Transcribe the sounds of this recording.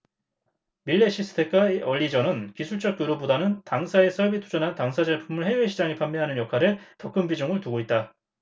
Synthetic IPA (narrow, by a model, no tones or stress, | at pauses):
miʎːeɕʰis͈ʰɯ̥tʰe̞k͈̚aeʌʎːid͡ʑʌnɯnkisʰuɭt͡ɕ͈ʌk͈̚joɾobodanɯntaŋsʰae̞sʰʌɭbitʰud͡ʑʌnɦantaŋsʰad͡ʑeɭpʰumɯɭhe̞eɕʰid͡ʑaŋepʰamːjʌɦanɯnjʌkʰaɾɯtʌk͈ɯmbid͡ʑoŋɯɭtuɡoit̚t͈a